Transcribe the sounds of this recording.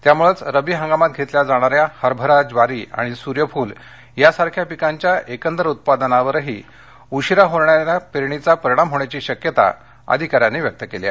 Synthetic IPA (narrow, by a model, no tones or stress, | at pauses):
t̪jamuɭət͡sɾəbiːɦə̃ŋɡamat̪̚ɡʱet̪ljad͡zaɽ̃aɾjahəɾbʱəɾad͡zʋaɾiːa̰ɽ̃isuɾjəfuːl | jasaɾkʰjapikaɲt͡ɕjaʔekənd̪ɾəut̪̚pad̪ənaʋəɾɦiː | uɕiɾaɦoɾɳjaɾjapɾeɽ̃it͡sapəɾiɽ̃amɦoɽ̃jat͡ɕiːɕəkjət̪a̰ | ə̰d̪ʱikaɾjanːiːʋjək̚t̪əkelja̰